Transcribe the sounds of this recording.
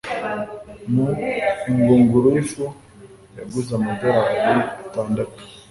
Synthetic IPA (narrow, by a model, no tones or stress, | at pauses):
nuiŋɡoːŋɡoɾoifo | jaɡuzamadoɾaɾetaːndatu̥